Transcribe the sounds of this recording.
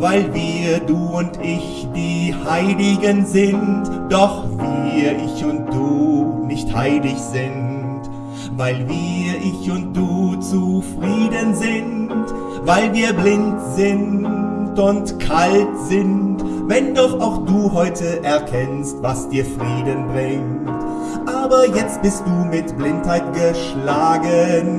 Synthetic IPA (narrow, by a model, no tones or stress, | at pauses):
vaɪlviːɐɐduːʊntʰʔɪç | d̥iːhaɪlɪɡənzɪntd̥ɔχviːɐʔɪçʊnt̚d̥uːnɪçthaɪlɪçz̥ɪn | t | vaɪlviːɐʔɪçʊnt̚d̥uːt͡sufʁ̥iːdənzɪnt | vaɪlviːɐblɪntz̥ɪntʊntkʰaltz̥ɪntvɛndɔχaʊxd̥uːɦɔʏtʰəʔɛɐkʰɛnstvasd̥iːɐfʁ̥iːdənbʁɪŋ | t | ʔaːbɐjɛt͡st̚b̥ɪst̚d̥uːmɪtb̥lɪnthaɪtɡ̥əʃlaːɡən